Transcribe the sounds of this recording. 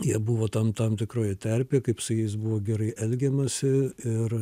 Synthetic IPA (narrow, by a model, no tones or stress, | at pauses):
jiɛbuʋoːt̪ɐmt̪ɐmt̪ʲɪkɾoːjɛt̪ʲɛrʲpʲeːkɐɪpsʊjɛɪsbʊʋoːɡʲɛɾɐɪʔɛlʲɡʲɛmɐsʲɪɪr